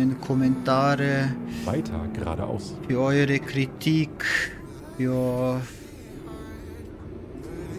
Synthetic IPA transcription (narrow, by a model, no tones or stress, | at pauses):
ənkʰʊmənt̪ʰɑːɾəvaɪtʰɐ̰ɡ̥əʁa̰ːɾə̰ʔa̰ʊsiœʏɾəkʰɾɪt̪ʰik | oː